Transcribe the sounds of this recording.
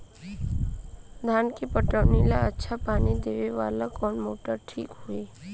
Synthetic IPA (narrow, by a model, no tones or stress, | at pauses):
d̪ʱaːnkepəʈəʋnilaətːʃʰapaːnid̪eːʋeʋa̰ːlakɔːnmoːʈəɾʈʰḭːkɦueː